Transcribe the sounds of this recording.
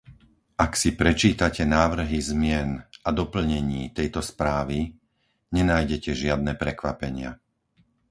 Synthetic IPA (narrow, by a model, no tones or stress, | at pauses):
ʔaksipɾɛt͡ʃiːt̪acɛnaːʋr̩ɦizmɪɛnad̪ɔpl̩ɲɛɲiːt̪ɛjt̪ɔspɾaːʋi | ɲɛnaːjɟɛcɛʒɪad̪nɛːpɾɛkʋapɛɲɪa̰